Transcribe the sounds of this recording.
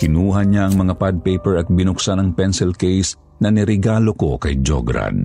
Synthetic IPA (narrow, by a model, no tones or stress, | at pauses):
kɪnuːɦɐnaʔɐŋmɐŋapad̪̚pɛjpɛɹɐt̪̚bɪnʊksanɐŋpɛnsɛlkɛjs | nɐnɛɾɛɡaːlo̞ko̞kɐjd͡ʒo̰ɡɾa̰d̪